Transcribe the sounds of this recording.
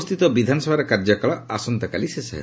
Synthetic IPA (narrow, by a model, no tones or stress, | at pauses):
st̪it̪ɔbid̪ʱanɔsɔbʱaɾekaɾd͡ʒakaɭɔasɔnt̪ɔkalisesɔɦḛ